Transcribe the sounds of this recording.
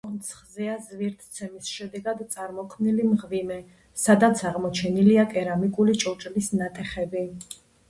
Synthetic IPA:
ɔnt̪sʰχzɛazviɾt̪ʰt̪sʰɛmisʃɛd̪ɛɡad̪t̪sʼaɾmɔkʰmnilimʁvimɛ | sad̪at̪sʰaʁmɔt͡ʃʰɛniliakʼɛɾamikʼulit͡ʃʼɔt͡ʃʼlisnat̪ʼɛχɛbi

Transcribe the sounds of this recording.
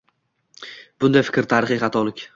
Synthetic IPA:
b̥ʊnd̪ajfɪ̥kʲɾt̪ʰaɾɪχiχɑt̪ʰɒlɪkʲ

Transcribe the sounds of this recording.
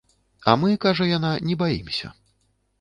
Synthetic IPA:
ɐ̰mɨkaʐɐjananʲɛbajimsʲɐ̰

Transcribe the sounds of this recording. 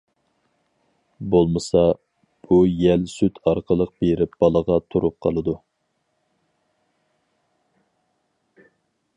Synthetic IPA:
bolˠmɨsɑ | b̥ujɛlsyt̪ʰɑɾqʰəlˠəq̚b̥eɾɪpb̥ɑlˠəʁɑt̪ʰuɾup̚qʰɑlˠɨd̪u

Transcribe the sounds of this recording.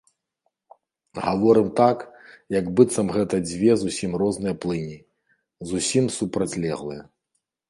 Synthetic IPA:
ɣavɔɾɨmt̪akjɐɡbɨt̪sɐmɣɛt̪ɐd͡zʲvʲɛzusʲimrɔznɨjɐplˠɨnʲi | zusʲimsupɾɐt͡sʲlʲɛ̰ɣlˠɨ̰jɐ

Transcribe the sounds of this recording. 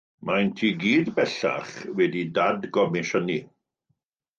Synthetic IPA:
majntʰiːɡiːdbɛɬa̰χwɛdidadɡɔmɪʃəni

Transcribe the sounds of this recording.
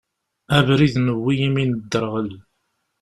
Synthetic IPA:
ævɾiðnəwːijiminəd̪ːəɾʁəl

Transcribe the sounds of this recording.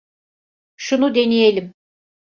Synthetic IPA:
ʃunud̪e̞nijelʲim

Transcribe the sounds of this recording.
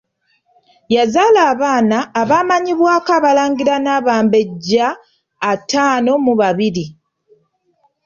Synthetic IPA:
jazaːlaːβaːnaːβaːmaɲiβwaːkaβalaːŋɡiɾanaβaːmbe̞ɟːaː | taːno̞muβaβiɾi

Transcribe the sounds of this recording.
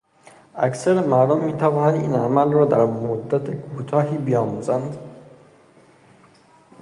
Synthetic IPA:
æksæɾemæɾd̪omːiːt̪ʰævɒːnænd̪iːnæmælrɒːd̪æɾmod̪ːæt̪ʰekʰut̪ʰɒːɦiːbejɒːmuːzænd̪

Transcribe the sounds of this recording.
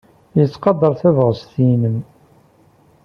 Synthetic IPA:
jət͡sːqɑd̪ˤəɾˤθævʁəst̪inəm

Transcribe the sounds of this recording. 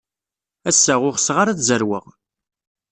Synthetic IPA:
æsːæʁʊχəsʁaɾat͡szəɾwəʁ

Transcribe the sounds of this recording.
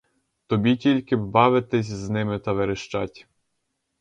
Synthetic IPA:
t̪ɔbʲitʲilʲkɪbɑʋɪt̪ɪsʲznɪmɪt̪ɐʋeɾɪʃt͡ʃɑtʲ

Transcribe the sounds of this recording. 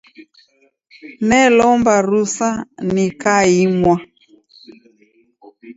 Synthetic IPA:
nɛlɔmbaɾusanikaimwa

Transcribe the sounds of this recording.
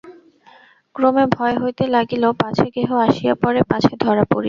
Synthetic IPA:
kɾomebʱɔeɦojt̪elaɡilopãt͡ɕʰeɡeɦoaʃijapɔɾepãt͡ɕʰed̪ʱɔɾapo̰ɾi

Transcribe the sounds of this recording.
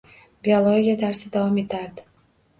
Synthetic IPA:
biolˠoɡʲiad̪aɾsɪd̪avɒme̞t̪ʰaɾd̪ɪ

